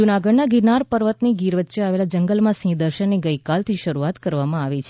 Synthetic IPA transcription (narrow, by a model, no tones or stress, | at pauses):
d͡ʒunaɡəɖnaɡiɾnaɾpəɾʋət̪niɡiɾʋət̪ːʃəaʋelad͡ʒəŋɡəlmãsĩd̪əɾʃənːeɡəjkalt̪ʰiʃəɾuat̪kəɾʋamãaʋit͡ʃʰe